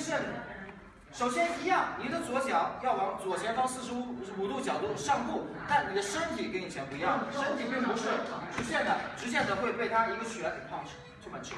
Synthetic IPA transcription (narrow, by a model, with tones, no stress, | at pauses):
ɕɛ˥˩n˩ | ʂo˨˩ʊɕjɛ˥ni˧˥jɑ˥˩ŋni˨˩d̪ə˧t͡swɔ˧˥t͡ɕjɑ˨˩˥ʊjɑ˥˩ʊwɑ˧˥ŋt͡swɔ˨˩t͡ɕʰjɛ˧˥nfɑ˥ŋsɹ̩˥˩ʂɻ̩˧˥u˨˩t̪u˥˩t͡ɕjɑ˨˩ʊt̪u˥˩ʂɑ˥˧ŋku˥˩ | t̪a˥˩nni˨˩d̪ə˦ʂə˥nt̪ʰi˨˩kə˥ni˨˩t͡ɕʰjɛ˧˥npu˧˥i˧˥jɑ˥˩ŋ˩ʂə˥nt̪ʰi˨˩pi˥˩ŋpu˧˥ʂ̩˥˩ʈ͡ʂ̩˧˥ɕjɛ˥˩nd̪ə˩ʈ͡ʂɻ̩˧˥ɕjɛ˥˩nd̪ə˨xwe˥˧ɪtwe˥˩ɪt̪ʰa˥i˧˥ɡə˧ɕɥɛ˧˥˨pʰɑ˥˧ŋʂ̩˥˩ | t͡ɕjo˥˩ma˨˩nʈ͡ʂʰ